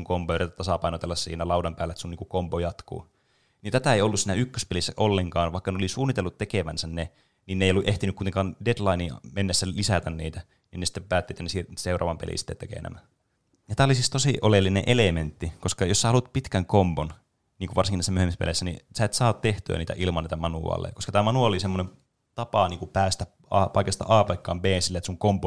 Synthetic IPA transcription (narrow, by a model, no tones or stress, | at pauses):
ŋkompoøret̪t̪ɑsɑpɑinot̪elːɑsːsḭːnælɑudɑmpæːlːæet̪sunniːŋkukompojɑt̪kṵː | nint̪æt̪æeiolːussiːnæykːøspelisːæʔolːeŋkɑːnʋɑikːɑneolisuːnit̪elːut̪t̪ekeʋænsænne | ninːeijolːuʔeht̪inykuit̪eŋkɑndedlɑinimenːesːælisæt̪ænniːt̪æ | ninːesi̥t̪ːeppæːt̪ːeit̪jɑnesirseurʔɑ̰ːʋɑmpḛlʔḭnsi̥t̪ːet̪ekḛːˑnæ̰mæ | jɑt̪æːolisist̪osiʔolelːinḛʔelement̪ːikoskɑjossæːolut̪̚pit̪kæŋkompon | niːŋkuʋɑrsiŋinisːmyøhemispḛlesːænḭsæet̪sɑːtt̪eht̪yæ̰niːt̪æ̰ʔilmɑnːit̪æmɑnuɑ̰ːlːḛɑkoskɑt̪æːmɑnuɑlolisemːonem | t̪ɑpɑniːŋkupæːst̪æ | ɑːpɑikɑst̪ɑ̰ʔɑːpɑikːɑːmpeːnsilːet̪suŋkombo